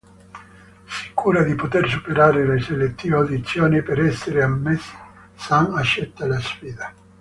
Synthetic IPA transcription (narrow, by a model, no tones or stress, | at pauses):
si̥kʰuːɾad̪ipot̪ers̬upeɾaːɾeleselet̪ːivawd̪it̪sːjɔːnipeɾɛsːeɾeamːesːɪ̥ | saŋat͡ʃːɛt̪ːalasfiːd̪a